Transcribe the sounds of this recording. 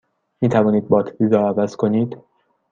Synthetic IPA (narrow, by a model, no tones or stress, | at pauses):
miːt̪ʰævɒːniːd̪̚bɒːt̪ʰizɔːævæzkʰoniːd̪